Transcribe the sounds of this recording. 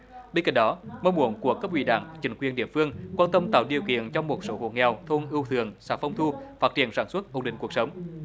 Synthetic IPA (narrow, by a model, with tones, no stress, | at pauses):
ɓe˧nka̰˧˩jɗɔ˨˦mə˧wmu˧˩ənku˧˩əkaː˦˥p̚wḭ˧˩ɗa̰ː˧˩ŋt͡ɕï˨˦ŋkwi˨˩ənɗi˧˨əfɨ˧əŋkwaː˧nt̪ə˧mt̪aː˧˨˩wɗḭ˨˩əwkḭ˧˨ənt͡ɕɔ˧wŋ͡mmo˨˩t̚so˨˦ho̰˧˩ŋɛ˨˩wt̪ʰo˧nʔɨ˧wt̪ʰɨ˧˩˨əŋsaː˧˩nfə˧wŋ͡mt̪ʰu˧faː˦˥t̚t͡ɕi˧˨ənsaː˧˩nswə˦˥t̚ʔo˨˧˩nɗï˧˨ŋku˨˩ək̚sə˨˦wŋ͡m